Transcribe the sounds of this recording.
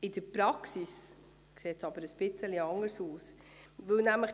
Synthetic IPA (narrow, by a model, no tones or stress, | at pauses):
ɪdəɾpɾɑksis | kseːtsɑb̥əɾəsb̥ɪt͡səliɑŋəɾsuːsvɵwnæmləχ